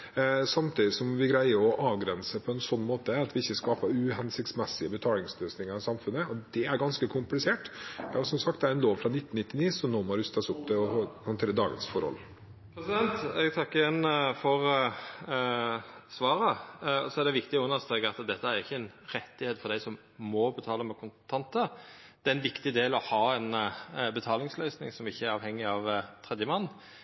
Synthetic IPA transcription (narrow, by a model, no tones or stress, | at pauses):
sɑmt̪ʰiːd̪ɪsɔmʋɪɡɾæɪəɾɔʔɑːʋɡɾɛnsəpʰɔɛnsɔnːmoːt̪əɑt̪ʋɪɪçːəskɑːpəɾʉɦɛnsɪkt̪smɛsːɪəbət̪ʰɑːlɪŋsløːsnɪŋɑɾɑsɑmfʉnːəɔd̪ɛæɾɡɑnskəkʰʊmplɪseːʈʋæhɑɾsɔmsɑk̚t̪̚ɛæɾɛnloːʋfɾɑnɪt̪ːnnɪt̪ːɪniːsɔmnoːmɔɑɾʉst̪ɑsʊpːd̪ɛɔhɔnt̪ʰeːɾəd̪ɑːɡə̰nsfɔɾhɔ̰l | pʰɾɛsɪd̪ɛnt̪ɛɡt̪ʰɑkːəjɛnːfɔʁ | sʋɑːɾəɔsɔæd̪ɛʋɪkt̪ɪɔʉnːəst̪ɾeːɡɑt̪d̪ɛt̪ːəæɾɪçːəɛnɾɛt̪ːɪheːt̪fɔɾd̪æɪsɔm | mɔbət̪ʰɑːləmɛkʰʊnt̪ʰɑnt̪ə | d̪̥ɛæɾɛnʋɪkt̪ɪd̪eːlɔhɑːɛnbət̪ʰɑːlɪŋslœʏsnɪ̰ŋsɔmɪçːəæɾɑːʋhɛŋːɪɑʋt̪ʰɾɛd̪jəmɑnː